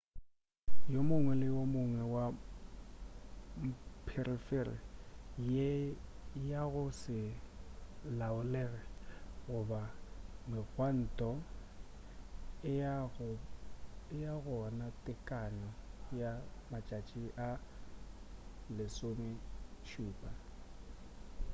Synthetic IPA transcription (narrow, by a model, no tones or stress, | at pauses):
jomʊŋwɛlɪwomʊŋwɛwa | m̩pʰɛrifɛrḭje | jaɣʊsɪ | laʊlɛɣɛɣʊbamɪɣʰwan̩ːtʼɔ | ɪaɣʊ | ɪjaɣɔnatʼɪkʼaɲɔjamat͡ʃʼat͡ʃʼiʔa | lɪsomɪʃuːpʼa